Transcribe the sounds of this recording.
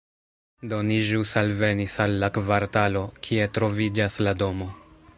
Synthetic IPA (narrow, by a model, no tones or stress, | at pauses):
do̞niʒusalve̞nisalːakvaɾtalo̞kʰie̞tɾo̞vid͡ʒaslado̞mo̞